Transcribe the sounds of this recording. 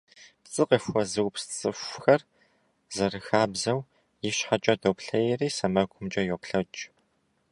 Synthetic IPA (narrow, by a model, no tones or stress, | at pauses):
pt͡sʼɨqɐfwɔzɨwpst͡sʼɨfʷxɐr | zɐrɨxaːbzɐw | jɪɕħat͡ʃʼɐdopɬɐjɛriːsɐmɐɡʷʰʊmt͡ʃʼɐjɔpɬɐt͡ʃʼ